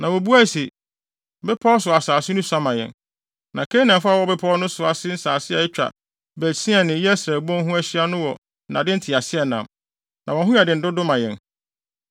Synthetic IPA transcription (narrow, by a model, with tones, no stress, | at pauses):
nã˨wo˨bu˦æ˦˨si˨ | bɛ˦pʰɔ˦ɔ˦sʊ˨a˨saː˨sɪ˦nʊ̃˦sã˦mã˨jɛ̰̃˨n | nã˨kʰe˦nã˨fa˦˨wɔ˦bɛ˦pʰɔ˦ɔ˦nʊ̃˦sʊ˨a˨sɪ˦n̩˦saː˨sɪ˦ɛ˨ɛ˦t͡ɕᶣa̰˨ | bæ˨sĩ˦ɛ˨nɪ̃˨jɛ˦sɾæ˨bɔ̃˦n˦ɦũ˦æ˦ɕi˦a˦nʊ̃˦wɔ˨˦ | nã˨dɪ˦n̩˦tʰɪ˨a˨sɪ˦ɛ˨nã̰˨m | nʔã˨wɔ̃˨ɦʊ̃˦a˨dɪ˨n̩˨dʊ˦dʊ˦mã˨jɛ̰̃˨n